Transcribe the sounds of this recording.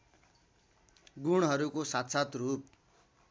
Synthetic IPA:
ɡuɽ̃ɦʌɾukosat̪sat̪rup̚

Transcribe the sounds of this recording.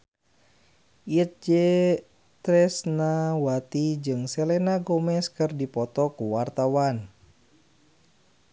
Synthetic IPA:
iət̪̚d͡ʒɛ | t̪ɾɛsnawat̪id͡ʒɨŋsɛlɛnaɡɔmɛskɨrdipɔt̪ɔkuwart̪awan

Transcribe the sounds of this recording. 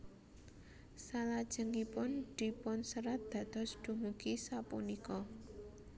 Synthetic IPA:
salad̥ʒ̥ə̤ŋipʊnd̪̥i̤pʊnsəɾat̪̚d̪̥ä̤d̪̥ɔ̤sɖ̪̥ṳŋukisapunikɔ

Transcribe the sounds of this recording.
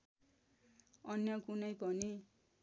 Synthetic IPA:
ʌnjʌkunʌjpʌni

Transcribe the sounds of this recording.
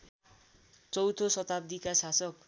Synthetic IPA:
t͡sʌwt̪ʰosʌt̪ab̚d̪ikasasʌk

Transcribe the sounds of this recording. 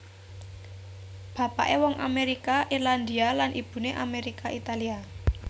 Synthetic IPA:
b̥a̤pa̰ʔewɔŋʔa̰meɾikaʔirland̪ialanʔib̥ṳneʔameɾikaʔit̪alia

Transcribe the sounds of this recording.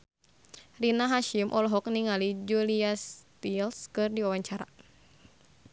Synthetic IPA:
rinaɦaʃimʔɔlɦɔk̚niŋalid͡ʒuliast̪ilskɨrdiwawaɲt͡ʃaɾa̰

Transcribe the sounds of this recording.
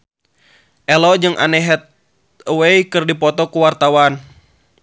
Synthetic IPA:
ʔɛlɔd͡ʒɨŋʔa̰nɛɦɛt̪̚ | wejkɨrdipɔt̪ɔkuwart̪awan

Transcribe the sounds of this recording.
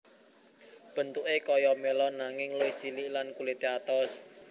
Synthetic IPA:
b̥ə̤nt̪uʔekɔjɔmelɔnaŋɪŋloid̥t͡ʃililankulet̪eat̪ɔs

